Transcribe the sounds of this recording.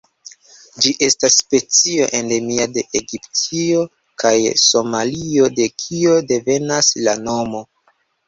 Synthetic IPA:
d͡ʒiʔe̞stasːpe̞t͡sio̞ʔe̞nde̞miade̞ʔeɡiptʰio̞ | kʰajso̞malio̞de̞kʰio̞de̞ve̞naslano̞mo̞

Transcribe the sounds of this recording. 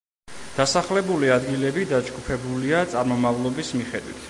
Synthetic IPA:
d̪̥asaχlɛbuliad̪ɡilɛbid̪ad͡ʒɡupʰɛbuliat̪sʼaɾmɔmavlˠɔbismiχɛd̪wḭt̪ʰ

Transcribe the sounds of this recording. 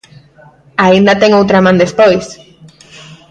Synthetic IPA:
aind̪at̪eŋowt̪ɾamãnd̪espojs

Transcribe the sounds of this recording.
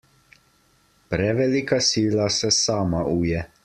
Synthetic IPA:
pɾɛʋɛlikasiːlasɛsaːmaʔuːjɛ

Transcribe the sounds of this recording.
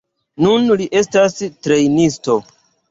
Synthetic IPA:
nunliʔe̞stastɾe̞jnisto̞

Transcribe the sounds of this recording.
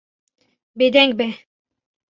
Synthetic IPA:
bed̪ɛŋɡ̚bɛ

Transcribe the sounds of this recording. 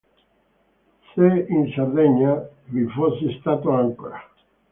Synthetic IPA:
seinsard̪ɛɲːavifosːist̪aːt̪oaŋkoɾa

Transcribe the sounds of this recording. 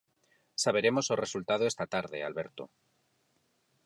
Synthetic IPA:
saβ̞e̞ɾe̞mo̞soresult̪að̞oest̪at̪aɾðe̞̰a̰lβe̞ɾt̪o

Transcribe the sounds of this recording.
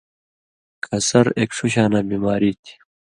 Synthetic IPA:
kʰɐsɐɾeːkʂuɕaːnaːbiːmaːɾiːt̪ʰi̥

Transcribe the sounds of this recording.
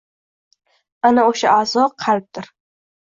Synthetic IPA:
anaoʃaʔazɒqʰɑlˠp̚d̪ɪɾ

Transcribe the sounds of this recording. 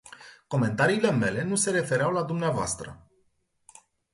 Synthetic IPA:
ko̞me̞nt̪aɾiːle̞me̞le̞nuse̞ɾe̞fe̞ɾeawlad̪umneavoa̰st̪ɾə̰

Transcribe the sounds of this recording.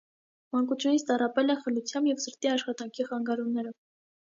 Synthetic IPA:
mɑŋkut͡sʰjunit͡sʰt̪ɑrɑpɛlɛχəlut͡sʰjɑmbjɛvsəɾt̪iɑʃχɑt̪ɑŋkʰiχɑŋɡɑɾumnːɛɾɔv

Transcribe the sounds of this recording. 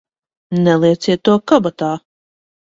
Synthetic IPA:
nɛlˠiɛt̪sʲiɛt̪ːuɔkɔbat̪aː

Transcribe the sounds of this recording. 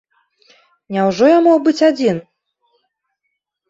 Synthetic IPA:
nʲɛwʐɔjamɔxbɨt͡sʲad͡zʲin

